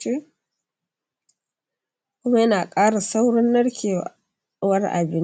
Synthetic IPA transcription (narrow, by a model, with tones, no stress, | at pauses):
t͡ʃeː˦ | kʷʊ˦ma˦jɐ˦naː˨kʼaː˦ɽa˨sa˦wɽɔ˦nːɐ˦ɽkʲʰeː˨ | wɐ˦rʔa̰˨bɪ˦n